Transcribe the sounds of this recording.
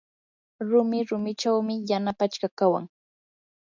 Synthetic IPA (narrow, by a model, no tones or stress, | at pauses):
ɾʊmɪɾʊmɪt͡ʃawmɪjanapat͡ʃkakawa̰ŋ